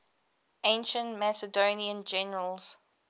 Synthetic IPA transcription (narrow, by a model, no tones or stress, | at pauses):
ẽɪ̃nʃə̃ntmæsədoːniə̃nd͡ʒɛnəɹəlz̥